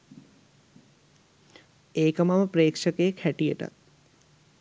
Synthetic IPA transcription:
eːkəmaʋəpɾeːkʂəkekʰæʈijə̰ʈə̰

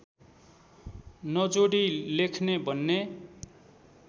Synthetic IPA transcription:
nʌd͡zoɽilekʰnebʱʌnːe

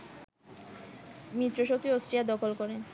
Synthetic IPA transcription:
mit̪ːɾoʃok̚t̪iosʈɾijad̪ɔkʰolkɔɾe

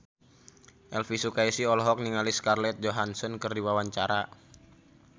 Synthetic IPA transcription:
ʔɛlfisukaisiɔlɔɦɔk̚niŋaliskarlɛt̪̚d͡ʒoɦansɔnkɨrdiwawaɲt͡ʃaɾa

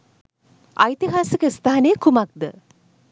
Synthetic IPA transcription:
a̰jt̪iɦaːsəkəist̪aːanəjəkumak̚d̪ə

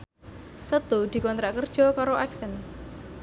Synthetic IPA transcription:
sət̪ud̪̥i̤kɔnt̪ɾaʔkərd̥ʒ̥ɔ̤kaɾoʔaksən

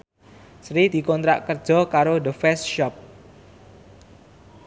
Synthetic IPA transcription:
sɾid̪̥i̤kɔnt̪ɾaʔkər̥ʒ̥ɔ̤kaɾod̪əfɛsʃɔp̚

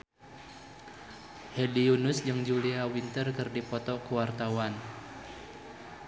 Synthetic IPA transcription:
hediunʊsd͡ʒɨŋd͡ʒuliawint̪ərkɨrdipɔt̪ɔkəwart̪awan

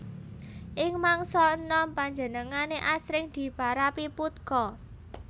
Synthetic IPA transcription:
ʔɪŋmaŋsɔənɔmpaɲd͡ʒə̤nəŋaneʔasɾɪŋd̪̥i̤paɾapiput̪̚kɔ

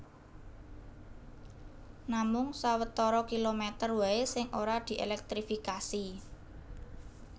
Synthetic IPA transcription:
namʊŋsawət̪ɔɾɔkilomɛt̪ərwaesɪŋʔoɾad̪̥i̤ʔḛlɛk̚t̪ɾifikasi

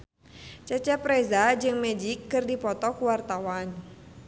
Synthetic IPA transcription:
t͡ʃɛt͡ʃɛpɾɛzad͡ʒɨŋmɛd͡ʒikːɨrdipɔt̪ɔkuwart̪awan

